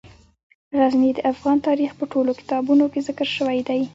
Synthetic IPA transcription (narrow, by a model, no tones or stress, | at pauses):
ɣaznid̪əʔafɣɑnt̪ɑɾixpəʈolokɪ̥t̪ɑbunokezɪkəɾʃəwajd̪aj